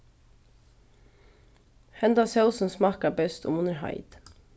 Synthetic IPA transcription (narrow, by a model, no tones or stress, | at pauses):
hɛnd̪ɑsɑʊsn̩smɑːkɑbœst̪ʰʊ̰mʊnəɹhɑ̰ɪd̪̥